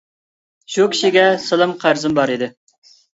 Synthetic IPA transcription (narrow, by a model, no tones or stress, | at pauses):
ʃukʲʰi̥ʃiɡʲɛsəlˠɨmqʰæɾzɨmbɑɾid̪ɪ